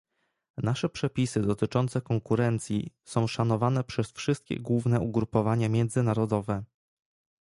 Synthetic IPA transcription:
naʂɛpʂɛpʲisɘd̪ɔt̪ɘt͡ʂɔnt̪sɛkɔŋkuɾɛnt̪sʲjḭsɔ̃w̃ʂanɔvanɛpʂɛsfʂɘst̪̚kʲɛ̰ɡwuvnɛuɡɾupɔvaɲamʲjɛnd̪zɘnaɾɔd̪ɔvɛ

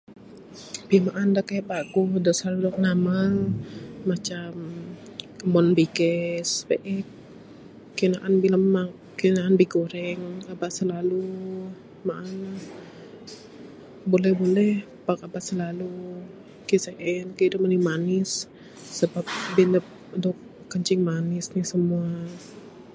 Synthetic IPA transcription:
bimaʔandakajapakudɔʔsardɔk̚namalmat͡ʃam | mɔnbikɛsbeʔɛkː | inaʔanbilamːa | kinaʔanbiɡoɾɛŋabaʔsəlalu | maʔana | bolɛhbolɛh | pakabaʔsəlalu | keseʔɛnkədʊmanimanɪsː | əbap̚binəp̚dɔk̚ː | əɲt͡ʃɪŋmanɪsnisəmua

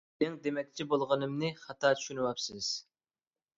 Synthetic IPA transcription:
ɪŋd̪emɛkʲt͡ʃʰibolˠʁənɨmnɨχɑt̪ʰɑːt͡ʃʰy̥ʃynywɑpsɪz̥

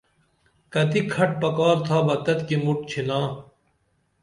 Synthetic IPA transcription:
kɐt̪ikʰɐʈ̚pɐkaːɾt̪ʰaːbɐt̪ːɐt̪kimuʈ̚t͡ɕʰinãː

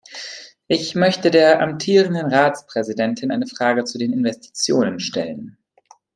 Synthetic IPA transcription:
ʔɪçmœçtədeːɐʔa̰mtʰiːʁ̞əndənʁaːt͡spʁ̥ɛzidɛntʰɪnʔaɪnəfʁ̥aːɡət͡sudeːnɪnvɛstʰi̥t͡sjoːnənʃtɛ̰lən

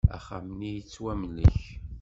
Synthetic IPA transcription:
æ̰χamnijit͡sːwæmlə̰ç

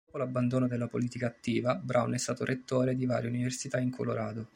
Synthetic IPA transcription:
opolabːand̪oːnod̪elːapoliːt̪ikaːt̪ːiːvabɾʔawnɛst̪aːt̪oɾʔet̪ːoːɾed̪iva̰ːɾjeuniversit̪aiŋkʰo̰loɾaːd̪o

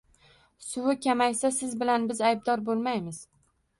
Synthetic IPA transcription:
sʊwɪkʲʰamajsasɪzbɪlanbɪzajb̚d̪ɒɾbolˠmajmɪz̥

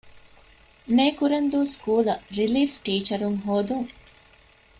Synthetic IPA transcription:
neːkuɾɐnd̪uːskuːlɐɾiliːfʈiːt͡ʃɐɾuŋɦoːd̪uŋ

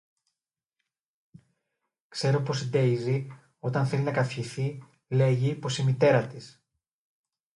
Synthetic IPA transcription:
kse̞ɾo̞po̞sid̪e̞jzi | o̞t̪ɐnθe̞linɐkɐfçiθi | le̞ʝipo̞simit̪e̞ɾɐt̪is

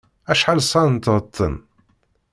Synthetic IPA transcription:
æʃħalsˤɑnt̪ːʁət̪ˤʰːə̰n

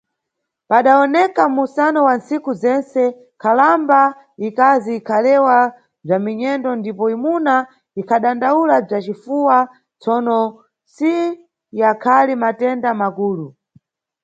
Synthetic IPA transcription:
paɗaɔnɛkamusanɔwansikuzɛnsɛ | kʰalamba | ikaziːkʰalɛwa | b͡ʐamiɲɛndɔndipɔimuna | ikʰaɗandaulab͡ʐat͡ʃifuwa | t͡sɔnɔ | si | jakʰalimatɛndamakuːlu

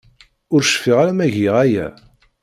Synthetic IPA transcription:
ʊɾʃfiʁaɾæmæʝiʁæjæ̰

